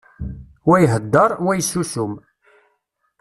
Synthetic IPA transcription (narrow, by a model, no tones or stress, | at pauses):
wæjəɦəd̪ːɑɾˤwæjsːusʊm